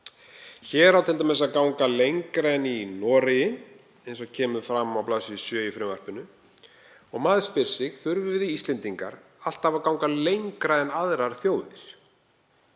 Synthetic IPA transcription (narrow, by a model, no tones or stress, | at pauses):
çɛːɾawt̪ʰɪlt̪amɛs̬aðkawŋkalejŋkɾaɛnːinɔːɾɪjɪn | ejnsɔɣcʰɛːmʏfɾamawplaːsɪsœːjʏfɾɛmvar̥pʏnːʏ | ɔɣmaːðspɪɾ̥sɪɣθʏɾvʏvɪðiist̪lɛnt̪iŋka̰ɾ | al̥t̪avakawŋkalejŋkɾaɛnaðɾaɾ̥θjoːwðɪɾ̥